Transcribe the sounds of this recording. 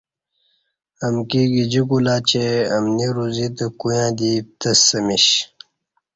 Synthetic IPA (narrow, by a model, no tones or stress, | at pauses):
ɐmkiːɡid͡ʑikulaːt͡ɕeɐmniɾuzit̪ɐkujãːd̪it̪ɐsːɐmiɕ